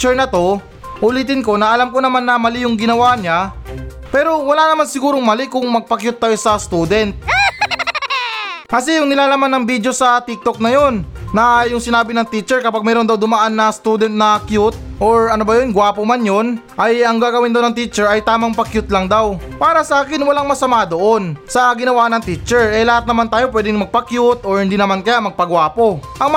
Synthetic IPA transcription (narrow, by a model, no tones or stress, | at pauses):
t͡ʃɛɹnɐt̪o̞ | ʔʊliːt̪ɪnko̞nɐʔɐlamkonɐmanːɐmɐlɪjʊŋɡɪnɐwaɲa | pɛːɾo̞wɐlaːnɐmansɪɡuːɾo̞ŋmɐlɪkʊŋmɐɡ̚pɐkjʊt̪̚ːajosɐst̪uːd̪ɛnt̪̚ | kɐsɛjʊŋnɪlaːlamanːɐŋbid̪jo̞sɐt̪ɪk̚t̪o̞k̚nɐjo̞nːɐjʊŋsɪnaːbɪnɐŋt̪it͡ʃɛɹkɐpaɡ̚mɛːɾod̪awd̪ʊmɐʔanːɐst̪uːd̪ɛnt̪̚nɐkjut̪̚ʔo̞ɹɐnobɐjonɡwaːpomanjo̞n | ʔɐjɐŋɡaːɡɐwɪnd̪awnɐŋt̪it͡ʃɛɹɐjt̪aːmɐŋpɐkjut̪̚lɐŋd̪awpaːɾɐsɐʔaːkɪnwɐlaŋmɐsɐmad̪o̞ʔo̞nsɐɡɪnɐwaːnɐŋt̪it͡ʃɛɹɛlɐhat̪̚nɐmant̪aːjopwɛːd̪ɪŋmɐɡ̚pɐkjut̪ʔoɹhɪnd̪inɐmankɐjamɐɡ̚pɐɡwaːpo̞ʔɐŋm